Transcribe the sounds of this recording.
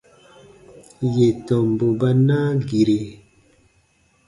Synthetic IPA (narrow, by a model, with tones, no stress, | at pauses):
je˨tɔ˨mbo˨ba˦naː˦ɡi˨ɾe˨